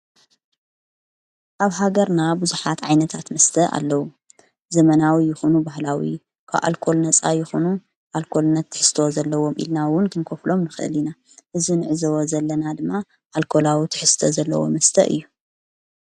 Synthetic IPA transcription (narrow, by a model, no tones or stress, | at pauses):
ʔaβɦaɡɐɾnabɨzuħat̪ʕajnɐt̪ʰat̪mɐst̪ʰɐʔa̰lːɐwu | zɐmɐnawijɪxonubaɦlawi | kʰa̰βʔa̰lkʰo̞lnɐt͡sʼajɪxonu | ʔalkʰo̞lnɐt̪ʰːɨ̥ħɨ̥st̪ʰozɐlːɐwo̞mʔḭlnawʊnkʰɨnkʰoflo̞mnɨxɨʔɨ̰lina | ʔɨzinɨʕɨzɐwozɐlːɐnad̪ɨmːa | ʔalkʰolawit̪ʰɨ̥ħɨst̪ʰɐzɐlːɐ̰wo̰mɐst̪ʰɐ̰ʔɨ̰jːu